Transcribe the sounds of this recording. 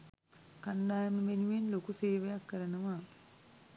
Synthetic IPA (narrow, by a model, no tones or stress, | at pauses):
kand̪aːjɐməmenuʋenlokuseːʋejakːəɾənəʋa